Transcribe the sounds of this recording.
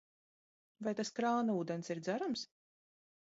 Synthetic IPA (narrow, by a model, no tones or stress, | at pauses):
vajt̪askɾaːnuːd̪ɛnsiɾd̪zaɾams